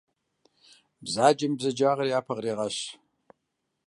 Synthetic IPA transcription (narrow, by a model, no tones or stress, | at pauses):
bzaːd͡ʒɐmbzɐd͡ʒaːʁɐrjaːpʰɐʁreːʁɐɕ